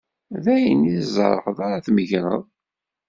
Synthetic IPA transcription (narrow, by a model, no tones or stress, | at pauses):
ðæjənizˤə̰ɾˤəħəðˤaɾaθməʝnə̰ðˤ